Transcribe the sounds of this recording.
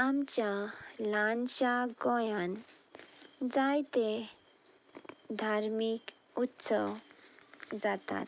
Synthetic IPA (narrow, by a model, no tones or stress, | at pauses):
amt͡ɕjalanɕaɡɔjan | d͡zajt̪e | d̪ʱaɾmikut̪səw | d͡zat̪a̰t̪